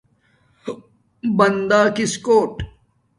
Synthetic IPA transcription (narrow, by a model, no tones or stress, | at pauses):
bɐnd̪aːkiskoːʈ